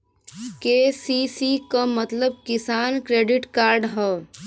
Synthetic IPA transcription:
keːsisikamɐt̪ləb̚kɪsaːnkɾeːɖɪʈkaːɾɖɦɛː

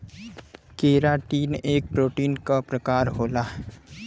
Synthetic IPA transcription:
keːɾaʈiːneːk̚pɾoːʈiːnkapɾɐkaːɾɦoːlaː

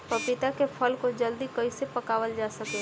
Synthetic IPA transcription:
pɐpɪt̪akepʰəlkod͡ʒəld̪ikɐisepɐkaːʋəld͡ʒaːsəke

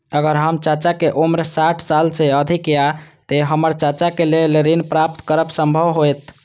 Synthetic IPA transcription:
əɡəɾɦəmt͡ʃat͡ʃakeʔomɾsaʈʰsalseəd̪ʱikjat̪eɦəməɾt͡ʃat͡ʃakeleleɾinpɾap̚t̪kəɾəbsəmbʱəʋɦojt̪

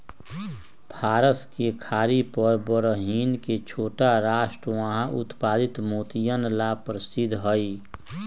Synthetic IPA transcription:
pʰaːɾəskekʰaːɾipəɾbəɾəɦiːnket͡ʃʰoːʈaɾaːʃʈɾəʋaɦãʔʊ̰t̪paːd̪ɪt̪moːt̪ijənlapɾəsɪd̪ʱɦəi

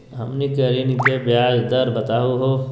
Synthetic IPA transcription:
ɦɐmnikɐɾinikebjaːd͡ʒd̪ɐɾbɐt̪aːuɦo

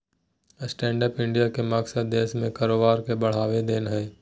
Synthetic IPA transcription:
sʈɛ̃ːɳɖəpɪ̃ɳɖijakemaːɡsəd̪̚d̪eːʃmẽkɐɾoːbaːɾkebɐɽ̤aːʋed̪eːnɦɛː

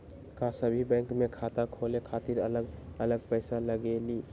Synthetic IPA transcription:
kasəbʱibɛ̃ŋkmekʰat̪akʰolekʰat̪iɾələɡələɡ̚pəjsaləɡeli

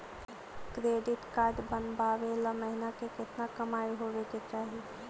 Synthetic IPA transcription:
kɾeːɖɪʈkaːɾɖbənbaːʋelaməɦɪnakekɪt̪nakɐmaːiɦoːʋeket͡ʃaːɦi

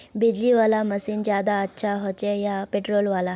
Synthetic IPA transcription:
bid͡ʑliʋalaməsiːnd͡ʑjad̪aːtːɕʰaɦɔt͡ɕejapeʈɾolʋala

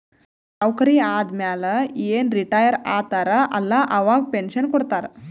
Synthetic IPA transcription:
kawkəɾiːaːd̪mjaləjenɾiʈajəɾat̪aɾaʔɐlːaʔɐʋaɡ̚penɕənkɔɽt̪aɾ

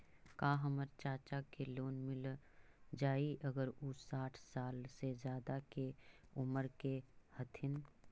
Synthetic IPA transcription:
kaːɦəməɾt͡ʃaːt͡ʃakeloːnmɪl | d͡ʒaːiʔəɡəɾʊaːʈʰsaːlsezjaːd̪akeʊməɾkehət̪ʰɪn

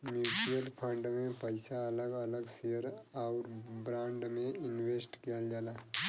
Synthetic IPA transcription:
mjuːʈijəlpʰə̃ɳɖmẽpəɪsaɐləɡələɡsejəɾaʊɾbɾãːɳɖmẽɪnweːsʈkijəld͡ʒaːlaː

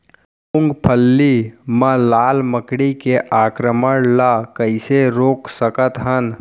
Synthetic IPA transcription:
ʊŋɡpʰəlːiməlaːlməkɽikeʔaːkɾəməɽlakəɪseɾoːksəkət̪ɦən

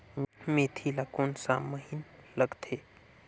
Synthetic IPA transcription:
meːt̪ʰilakoːnsa̰məɦinləɡt̪ʰe

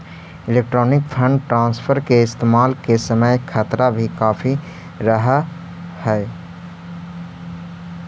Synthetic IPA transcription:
ɪleːk̚ʈɾɔːnɪkpʰə̃ɳɖʈɾãːnspʰəɾkeɪst̪eːmaːlkesəməjkʰət̪ɾabʱikaːfʰi | ɾəɦa | hɛː

